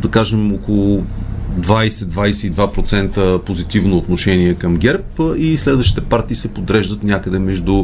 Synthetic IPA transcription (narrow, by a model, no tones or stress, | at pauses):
d̪ɐkaʒɛmokolˠʊd̪vajsɛd̪vajsɛid̪vapɾot̪sɛnt̪əpozit̪ivnoːt̪noʃɛniɛkəmɡʲɛɾpislɛd̪vəʃt̪it̪ɛpaɾt̪iːsɛpod̪ɾɛʒd̪ət̪nʲakəd̪ɛmɛʒd̪u